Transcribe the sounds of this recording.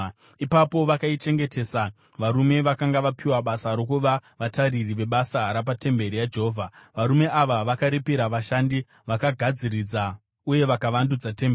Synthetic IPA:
ipapo̞ʋakait͡ʃe̞ŋɡe̞te̞sa | ʋaɾume̞ʋakaŋɡaʋapʰiwaɓasaɾo̞kuʋaʋataririʋe̞ɓasaɦaɾap̬ate̞mbe̞ɾijad͡ʒeɦoːvʱaʋaɾume̞ʔaʋaʋakaɾipiɾaʋaʃandi | ʋakaɡʱad͡zirid͡za | uje̞ʋakaʋandud͡zatembe

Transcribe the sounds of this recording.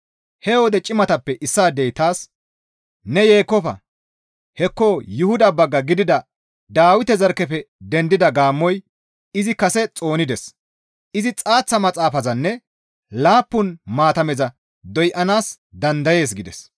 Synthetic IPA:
hɛwɔd̪ɛt͡ʃʼɪmɐt̪ɐpːɛʔɪsːaːd̪ɛjt̪aːs | nɛje̞ːkːɔfɐ̰ | hɛkːoːjʊhʊd̪ɐbɐɡːɐɡɪd̪ɪd̪ɐ | d̪aːwɪt̪ɛzɐɾkɛpɛd̪ɛnd̪ɪd̪ɐɡaːmːɔj | ɪzɪkɐsɛt͡sʼo̞ːnɪd̪ɛs | ɪzɪt͡sʼaːt͡sːɐmɐt͡sʼaːfɐzɐnːɛ | laːpːʊnmaːt̪ɐmɛzɐ | d̪ɔjʔɐnaːs | d̪ɐnd̪ɐje̞ːs̬ɡɪd̪ɛs

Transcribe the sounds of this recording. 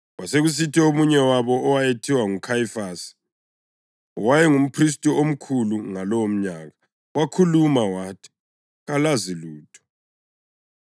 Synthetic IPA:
waseɣus̬itʰɛomuɲɛwaβɔʔːwajetʰiwaŋukʰajifaːsi̥ | wajɛŋum̩pʰris̬tʼuom̩kʰuluŋalɔwom̩ɲaːɣa | wakʰulumawaːtʰi̥ | ɣalaziluːtʰɔ̥

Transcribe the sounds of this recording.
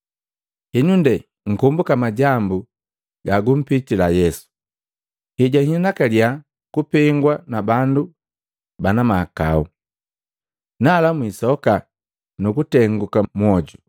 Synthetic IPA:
hiɲundɛ | ŋ̩kumbukamaɟambu | ɡaɡum̩pitilajɛsu̥ | hiɟahinakalja | kupɛŋɡwanabandu | banamaka̰u | nalamwisɔka | nukutɛŋɡukamwɔɟu

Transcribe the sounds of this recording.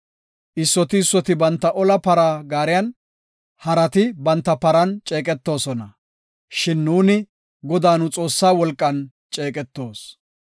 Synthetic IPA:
ʔɪsːɔt̪ɪːsːɔt̪ɪbɐnt̪ːɐʔɔlɐpɐɾaːɡaːɾɪjɐn | hɐɾɐt̪ɪbɐnt̪ːɐpɐɾɐnt͡ʃʼe̞ːkʼɛt̪ːo̞ːsɔnɐ | ʃɪnːuːnɪ | ɡɔd̪aːnʊt͡sʼo̞ːsːaːwɔlkʼːɐn | t͡ʃʼeːkʼɛt̪ːo̞ːs

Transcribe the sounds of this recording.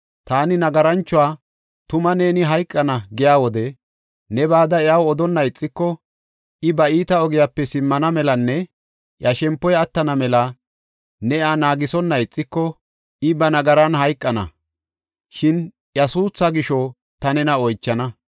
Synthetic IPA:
t̪aːnɪnɐɡɐɾɐnt͡ʃːʊwaː | t̪ʊmɐne̞ːnɪɦɐjkʼːɐnɐɡɪjaːwɔd̪ɛ | nɛbaːd̪ɐɛjawɔd̪ɔnːɐjɪt͡sʼːɪkːɔ | ʔɪbɐiːt̪ɐɔɡɪjapːɛsɪmːɐnɐmɛlɐnːɛ | ʔjɐʃɛmpːɔjɐt̪ːɐnɐmɛlɐ | nɛaːnaːɡɪsɔnːɐjɪt͡sʼːɪkːɔ | ɪbɐnɐɡɐɾɐnɦɐjkʼːɐnɐ̰ | ʃɪn | jɐsuːsːɐɡɪʃɔ | t̪ɐnɛnɐɔjt͡ʃːɐnɐ

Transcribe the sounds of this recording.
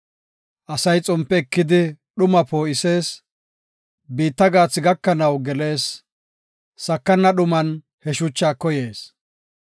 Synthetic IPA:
ʔɐsɐjt͡sʼʊmpːɛːkːɪd̪ɪɗʊmɐpo̞ːʔɪse̞ːs | biːt̪ːɐɡaːt͡sːɪɡɐkːɐnɐwɡɛle̞ːs | ɐkːɐnːɐɗʊmɐn | hɛʃʊt͡ʃːaːkːɔje̞ːs

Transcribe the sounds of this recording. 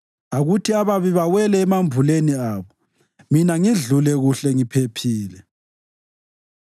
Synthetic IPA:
aɣutʰiaβaβiβawɛlɛːmaɱbʱuleniaːβɔ | minaŋiɮulɛɣuɬɛŋipʰepʰiːlɛ

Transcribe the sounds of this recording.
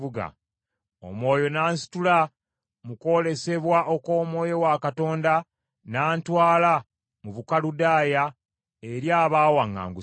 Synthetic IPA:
uɡa̰ | o̰mwo̞ːjo̞naːnsi̥tula | muko̞le̞se̞βwaʔo̞ko̞ːmwo̞ːjo̞wakato̞ːnda | naːntwaːla | muβukaludaːja | e̞ɾjaːβaːwaŋːa̰ːŋɡu

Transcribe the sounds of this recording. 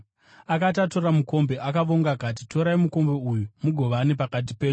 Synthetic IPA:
akat̬ato̞ɾamuko̞mbe̞ʔakaʋo̞ŋɡakat̬ito̞ɾaimuko̞mbe̞ujumuɡʱo̞ʋaːnepakat̬ipe̞ːɲu

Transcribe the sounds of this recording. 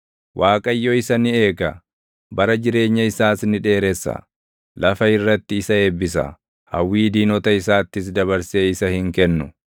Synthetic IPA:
wʔaːkʼɐjːɔɪsɐnɪe̞ːkɐ | bɐɾɐd͡ʒɪɾe̞ːɲːɐɪsaːsnɪᶑe̞ːɾɛsːɐ̰ | lɐfɐɪrːɐt̪ːɪːsɐeːbːɪs̬ɐ̰ | hɐ̰wːiːd̪iːnɔt̪ɐɪsaːt̪ːɪs̬d̪ɐβɐɾseːɪsɐhɪŋkɛnːʊ

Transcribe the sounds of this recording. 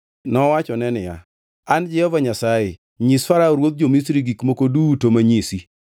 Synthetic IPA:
nɔwat͡ʃɔnɛnɪja̰ | and͡ʒɪɔvaɲasajɪ | ɲisfaɾaɾwot̪̚d͡ʒomisɾiɡikmokodutomaɲisi

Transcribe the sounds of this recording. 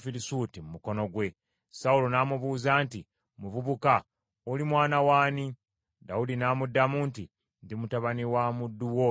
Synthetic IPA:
fiɾisuːtimumuko̞no̞ɡwe̞ | saulonaːmuβuːzaːnti | muvuβuka | olimwaːnawaːni | daudinaːmudːamuːnti | ndimutaβaniwaːmudːuwo

